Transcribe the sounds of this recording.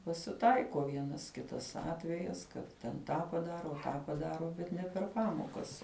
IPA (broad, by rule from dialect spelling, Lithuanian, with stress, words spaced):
pɐsʲɪˈtɐɪkoː ˈʋʲiɛnɐs ˈkʲɪtɐs ˈɑːtʲʋʲɛjɛs ˈkɐt tʲɛn ˈtɑː pɐˈdɑːroː ˈtɑː pɐˈdɑːroː bʲɛt ˈnʲɛ pʲɛr ˈpɑːmoːkɐs